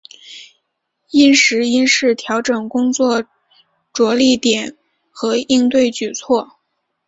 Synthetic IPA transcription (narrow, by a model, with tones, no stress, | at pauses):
i˥nʂɻ̩˧˥i˥nʂɻ̩˥˩t̪ʰjɑ˧˥ʊʈ͡ʂɤ˨˩ŋkʊ˥ŋt͡swɔ˥˩ | ʈ͡ʂwɔ˧˥li˥˩t̪jɛ˨˩˦n | xɤ˧˥i˥˧ŋt̪we˥˩ɪt͡ɕy˨˩t͡sʰwɔ˥˩